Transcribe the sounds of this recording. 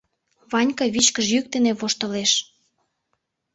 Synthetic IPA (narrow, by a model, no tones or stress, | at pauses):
βɑnʲkɑβit͡ɕkəʒjyk̚t̪ĕneβoʃt̪ɤ̆leʃ